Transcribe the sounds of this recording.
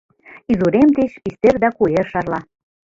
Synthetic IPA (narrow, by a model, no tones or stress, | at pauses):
izuɾemt̪et͡ɕpist̪erd̪ɑkuerʃɑrlɑ